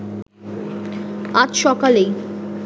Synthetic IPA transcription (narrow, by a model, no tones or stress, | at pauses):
ad͡ʑʃɔkalej